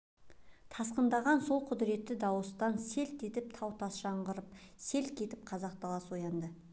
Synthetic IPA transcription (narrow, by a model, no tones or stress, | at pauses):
t̪ʰɑsqənd̪ɑʁɑnso̞lˠqʰʊd̪ɪɾe̞t̪ːɪd̪ɑwəst̪ɑnse̞lt̪e̞t̪ɪp̚t̪ʰɑwt̪ʰɑsʒɑɴʁəɾəp̚se̞lkʲʰe̞t̪ɪp̚qʰɑzɑq̚t̪ʰɑlˠɑswo̞jɑnd̪ə